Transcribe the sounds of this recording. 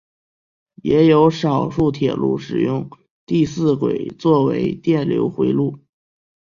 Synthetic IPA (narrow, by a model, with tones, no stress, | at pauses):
jɛ˧˥jo˧˥ʊʂɑ˨˩ʊʂu˥˩t̪ʰjɛ̰˨˩lṵ˥˩ʂɻ̩˨˩jʊ˥˧ŋ | t̪i˥˧sɹ̩˥˩kwḛ˨˩ɪt͡swɔ˥˩wḛ˧˥ɪt̪jɛ˥˩nljo̰˧˥ʊxwe˧˥ɪlu˥˩